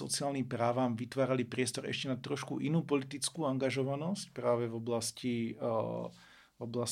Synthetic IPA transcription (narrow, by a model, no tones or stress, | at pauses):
ɔ̰t͡siaːlnimpɾaːʋaːmʋit̪ʋaːɾalipɾɪɛst̪ɔɾɛ̰ʃcɛnat̪ɾɔʃkuʔinuːpɔlit̪it͡skuːaŋɡaʒɔʋanɔscpɾaːʋɛvɔblasci | vɔblas